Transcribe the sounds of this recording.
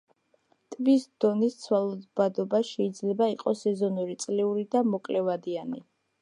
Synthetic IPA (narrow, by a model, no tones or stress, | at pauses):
t̪ʼvisd̪ɔnist̪sʰwalˠɔd̪bad̪ɔbaʃɛid̪zlɛbaiqʼɔsɛzɔnuɾit̪sʼliuɾid̪amɔkʼlɛvad̪iani